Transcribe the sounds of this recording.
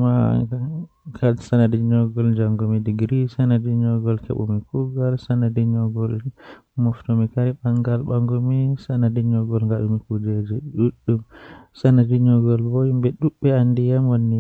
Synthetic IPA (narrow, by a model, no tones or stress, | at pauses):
ma | kasanadiɲɔɡɔld͡ʒaŋɡomidiɡɾisanadiɲɔɡɔlkɛ̰ɓɔ̰mikuɡalsanadiɲɔɡɔl | mɔftɔmikaɾiɓaŋɡalɓaŋɡɔmisanadiɲɔɡɔlŋɡaɗumikud͡ʒed͡ʒɛɗuɗːumsanadiɲɔɡɔlbɔjimbɛɗuɓːɛandijamwonːi